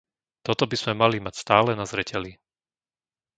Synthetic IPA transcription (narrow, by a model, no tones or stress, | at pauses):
t̪ɔt̪ɔbiz̥mɛmalimacst̪aːlɛnazɾɛcɛli